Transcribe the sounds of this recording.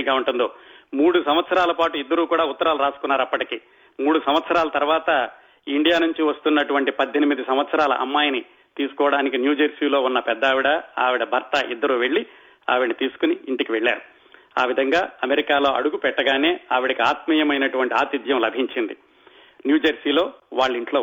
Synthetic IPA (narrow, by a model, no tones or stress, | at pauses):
ɡaːuɳʈund̪o̞ːmuːɽusɐmʋɐt̪sɐɾaːlɐpaːʈuid̪ːɐɾuːkuːɽaːut̪ːɐɾaːluɾaːsu̥kunːaːɾɐpːɐʈikiː | muːɽusɐmʋɐt̪sɐɾaːlɐt̪ɐɾuʋaːt̪ɐ | iɳɖijaːnuɲt͡ʃiʋɐst̪unːɐʈuʋɐɳʈipɐd̪ʱːenimid̪isɐmʋɐt̪sɐɾaːlɐ̰ʔɐ̰mːaːjɐni | t̪iːsu̥kɔːʋɐɽaːnikinjuːd͡ʒɐɾsiːlo̞ːunːɐpɛd̪ːaːʋiɽɐa̰ːʋiɽɐbʱɐɾt̪ɐʔid̪ːɐɾuːʋe̞ɭːi | a̰ːʋiɽnɐt̪iːsu̥kuniiɳʈikiʋeɭːaːɾu | aːʋid̪ʱɐŋɡaːɐmeɾikaːlo̞ːʔɐ̰ɽuɡupɛʈːɐɡaːne̞ːaːʋiɽɐkiaːt̪miːjɐmɐjnɐʈuʋɐɳʈiaːt̪id̪jɐmlɐbʱiɲt͡ʃind̪i | njuːd͡ʒɐɾsiːlo̞ːʋaːɭːiɳʈlo̞ː